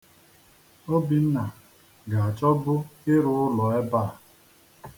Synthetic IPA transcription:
o˦bi˨n̩˦na˨ | ɡa˨a˨t͡ʃɔ˦bʊ˦ɪ˦ɾʊ˦ʊ˦lɔ˨e˦baː˦˨

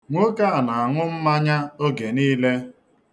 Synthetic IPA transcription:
ŋʷo˦ka˦a˨na˨a˨ŋʊ˦m̩˦ma˦ɲa˦o˦ɡe˨niː˦le˦

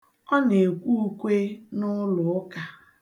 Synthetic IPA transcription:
ɔ˦ne˨kʷu˦kʷe˦nʊ˦lʊ˨ʊ˦ka˨

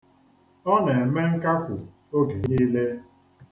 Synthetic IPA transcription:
ɔ˦ne˨e˨me˦ŋ̩˦ka˦kʊ˨ | o˦ɡe˨ni˦le˦

